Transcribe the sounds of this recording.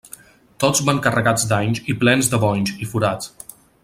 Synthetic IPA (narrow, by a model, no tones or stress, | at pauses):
t̪ozβaŋkərəɣad͡zd̪aɲziplɛnzd̪əβɔɲzifuɾat͡s